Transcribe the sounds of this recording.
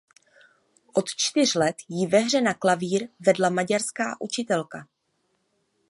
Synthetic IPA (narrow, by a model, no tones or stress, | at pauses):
ʔo̞t̪t͡ʃt̪ɪr̝lɛt̪jɪvɛɦr̝ɛnaklaviːɾvɛdlamaɟaɾska̰ːʔut͡ʃɪt̪ɛlka